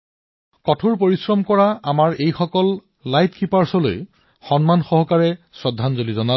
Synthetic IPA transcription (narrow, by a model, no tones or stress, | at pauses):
kɔtʰuɹpoɹisɹɔmkɔɹaamaɹejxɔkɔl | lajtkipaɹsɔlo̰j | xɔnmanxɔɦɔkaɹɛ | sɹɔdʱːanzolizɔnal